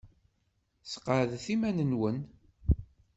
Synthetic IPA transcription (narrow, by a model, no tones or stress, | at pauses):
sə̥qːəɾəðθimænənwən